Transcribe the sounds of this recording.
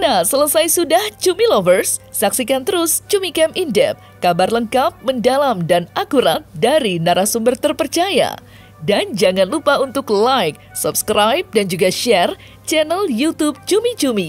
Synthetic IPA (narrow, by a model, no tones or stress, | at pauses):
nahsələsajsudaht͡ʃumilovərsːaksikant̪əɾʊst͡ʃumikɛmʔindɛ̰p̚kabarləŋkap̚məndalamdanakuɾat̪̚daɾinaɾasumbərt̪ərpərt͡ʃaja̰ | dand͡ʒaŋanlupaunt̪ʊklajk̚supskɾajp̚dand͡ʒuɡaʃɛr | t͡ʃɛnɛljut̪ub̚t͡ʃumit͡ʃumi